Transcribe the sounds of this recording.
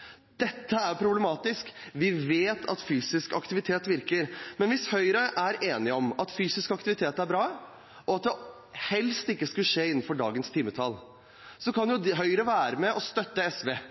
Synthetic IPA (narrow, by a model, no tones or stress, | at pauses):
d̪̥ɛt̪ːəæɾpʰɾʊbləmɑːt̪ɪskʋɪʋeːt̪ʰɑ̰t̪fyːsɪskɑ̰kt̪ɪʋɪt̪ʰeːt̪ʋɪɾkəɾmɛnʋɪshœʏɾəʔæɾʔeːnɪɔmɑt̪fyːsɪskɑkt̪ɪʋɪt̪ʰeːt̪æɾbɾɑː | ʔɔɑt̪̚d̪ɛ | hɛlst̪ɪkːəskʉlʂeːɪnːn̩fɔɖɑ̰ːɡənst̪ʰiːmːət̪ʰɑl | sɔkʰɑnjʊd̪ɦœʏɾəʋæːɾəmɛʔɔst̪œt̪ːəɛsʋeː